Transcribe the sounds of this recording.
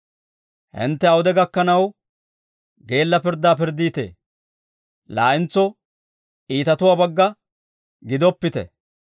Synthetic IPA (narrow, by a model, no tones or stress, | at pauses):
hɪ̰nt̪ːɛɐwʊd̪ɛɡɐkːɐnɐw | ɡe̞ːlːɐpɪɾd̪aːpɪɾd̪iːt̪ḛː | laːʔɪnt͡sːɔ | iːt̪ɐt̪ʊwaːbɐɡːɐ | ɡɪd̪ɔpːɪt̪ɛ̰